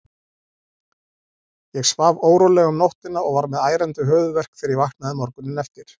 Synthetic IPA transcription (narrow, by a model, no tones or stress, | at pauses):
jɛɣsvavoːwɾolɛːɣʏmnɔht̪ɪnaɔɣvaɾmɛðaːjɾɛnt̪ʏɦœːvʏvɛr̥kfɪɾɪɾvahk̪naðʏmɔɾkʏnʏnɛft̪ɪɾ̥